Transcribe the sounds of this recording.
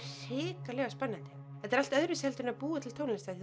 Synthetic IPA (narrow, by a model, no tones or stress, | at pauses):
ɪːkalɛːɣaspanːant̪ɪ̥ | θɛt̪aɾal̥t̪œðɾɪshɛlt̪ʏɾnapuːat̪ʰɪlt̪ʰowlɪlɪst̪að